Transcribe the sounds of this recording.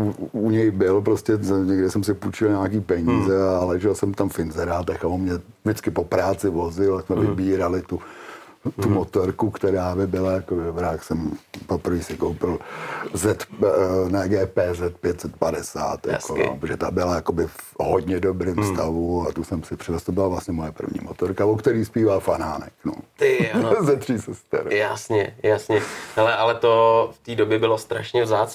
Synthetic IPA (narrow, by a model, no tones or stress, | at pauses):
uuɲɛjbɪlpɾoscɛɲɛɡdɪsɛmsɪput͡ʃɪlɲaːkiːpɛɲiːzɛalɛʒɛlsɛmt̪amfɪnzɛɾaːt̪ɛxaomɲɛ | dɪt͡skɪpopɾaːt͡sɪvo̞zɪlasmɛvɪbiːɾalɪt̪u | t̪umot̪oɾkukt̪ɛɾaːbɪbɪlajakobɪdobɾaksɛmpopr̩viːsɪkowpɪlzɛt̪naɡɛːpɛːzɛt̪̚pjɛt̪sɛt̪̚padɛsa̰ːt̪ja̰sko̰poʒɛt̪abɪlajakobɪfɦodɲɛdobɾɪmst̪avuat̪usɛmsɪpr̥ɪvɛst̪obɪlavlasɲɛmojɛpr̩vɲḭːmot̪oɾkavokt̪ɛɾiːspiːvaːfanaːnɛ̰kno̰ | zɛt̪r̥iːsɛst̪ɛ̰ɾjasɲɛjasɲɛhɛlɛʔalɛt̪oft̪iːdobjɛbɪlost̪ɾaʃɲɛvzaːt͡s